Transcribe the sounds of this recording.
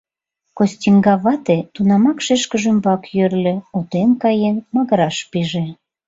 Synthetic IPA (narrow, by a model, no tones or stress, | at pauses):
kosʲtʲiŋɡɑβɑt̪et̪unɑmɑkʃeʃkə̆ʒymbɑkjørlʲĕot̪enkɑjenmɑɣəɾɑʃpiʒe